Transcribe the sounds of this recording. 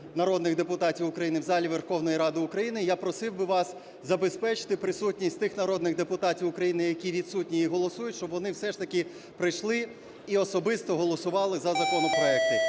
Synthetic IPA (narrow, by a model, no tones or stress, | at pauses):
nɐɾɔd̪nɪɣd̪epʊt̪ɑtʲiwʊkɾɐjinɪwzɑlʲiʋerxɔwnɔjiɾɑd̪ɪʊkɾɐjinɪjapɾɔsɪwbɪʋɑs | zɐbespɛt͡ʃɪ̥t̪ɪpɾɪsutʲnʲisʲtʲt̪ɪxnɐɾɔd̪nɪɣd̪epʊt̪ɑtʲiwʊkɾɐjinɪjɐkʲiʋʲit̪sutʲnʲiiɦɔlˠɔsujʊtʲʃt͡ʃɔbʋɔnɪwsɛʃt̪ɐkʲɪ | pɾɪjʃlˠɪ | iɔsɔbɪst̪ɔɦɔlˠɔsʊʋɑlˠɪzɐzɐkɔnɔpɾɔɛk̚t̪ɪ